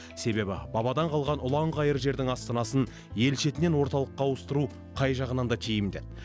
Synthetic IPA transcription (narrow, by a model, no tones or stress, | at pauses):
se̞be̞bɪbɑbɑd̪ɑɴqʰɑlˠʁɑnʊlˠɑɴʁɑjəɾʒe̞ɾd̪ɪŋɑst̪ɑnɑsən | je̞lʃe̞t̪ɪne̞nwo̞ɾt̪ɑlˠəqːɑwəst̪əɾu | qʰɑjʒɑʁənɑnd̪ɑt̪ʰijɪmd̪ɪ